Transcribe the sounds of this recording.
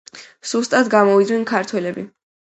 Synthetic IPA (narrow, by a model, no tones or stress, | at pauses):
z̥ust̪ʼad̪ɡamɔid̪znɛnkʰaɾt̪ʰwɛlɛbi